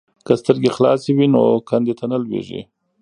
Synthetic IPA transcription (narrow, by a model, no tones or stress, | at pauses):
kəst̪əɾɡexlɑsiwinokʰand̪et̪ʰanəlwḛʒḭ